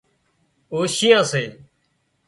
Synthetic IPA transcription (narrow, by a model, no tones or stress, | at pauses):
oːʃijãːseː